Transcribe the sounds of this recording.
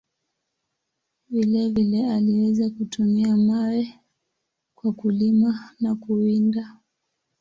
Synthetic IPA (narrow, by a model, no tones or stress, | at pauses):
vilɛvilɛaliwɛzakutumiamawɛ | kwakulimanakuinda